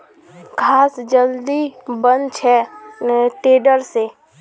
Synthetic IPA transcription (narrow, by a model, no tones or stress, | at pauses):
kʰaːsd͡ʒəld̪ibənt͡ʃʰɛ | ʈeːɖəɾseː